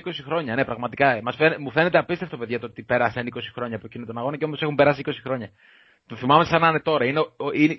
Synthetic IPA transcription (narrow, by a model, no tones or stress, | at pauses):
ko̞sixɾo̞ɲɐne̞pɾɐɣmɐt̪ikɐmɐsfenmufe̞ne̞t̪eɐpist̪e̞ft̪ope̞ðʝɐt̪oot̪ipe̞ɾɐsɐniko̞si̥xɾo̞ɲɐːpocinot̪onɐɣo̞nɐceo̞mo̞se̞xumpe̞ɾɐs̬iiko̞si̥xɾo̞ɲɐ | t̪oθimɐmesɐnɐnet̪o̞ɾɐineoin